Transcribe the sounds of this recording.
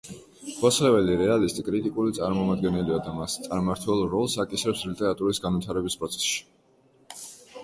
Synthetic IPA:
ɡwaslɛvɛliɾɛalist̪ʼikʼɾit̪ʼikʼulit̪sʼaɾmɔmad̪ɡɛnɛliad̪amast̪sʼaɾmaɾt̪ʰwɛlˠɾɔlˠsakʼisɾɛpslit̪ʼɛɾat̪ʼuɾisɡanvit̪ʰaɾɛbispʼɾɔt̪sʰɛ̥sʃi̥

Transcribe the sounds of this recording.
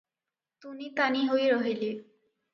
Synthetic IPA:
t̪unit̪aniɦojɾɔɦili

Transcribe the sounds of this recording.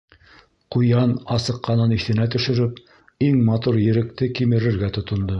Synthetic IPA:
qujɑnɑsɤ̆qːɑnɤniθɘ̆næt̪ɵ̆ʃɵ̆ɾɘp̚ | iŋmɑt̪uɾjɘ̆ɾɘ̆k̚t̪ɘkimɘ̆ɾɘ̆ɾɡæt̪ŏt̪ŏnd̪ɤ

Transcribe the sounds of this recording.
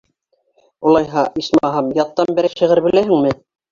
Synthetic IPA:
ulˠɑjɦɑʔismɑɦɑmjɑt̪ːɑmbɘ̆ɾæʃɤ̆ʁɘɾbɘ̆læɦɘ̆ŋmɘ

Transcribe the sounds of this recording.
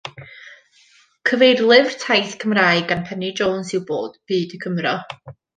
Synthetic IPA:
kʰəvejrlˠɪvrtʰajθkʰəmraːɨɡanpʰɛnid͡ʒoːnsɪwboːd̥b̥ɨːdəkʰəmrɔ

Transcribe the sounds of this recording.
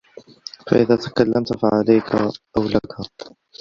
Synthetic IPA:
fa̰ʔɪðaːt̪ḁkalːamt̪faʕalajkʰaʔawlakʰa

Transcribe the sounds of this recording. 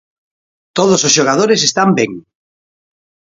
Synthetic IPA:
t̪oðososʃoɣ̞að̞oɾesest̪ambeŋ

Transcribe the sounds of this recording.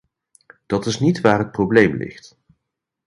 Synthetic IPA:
d̥ɑtɪsnitʋaːrɦət̚problejmlɪ̰χt

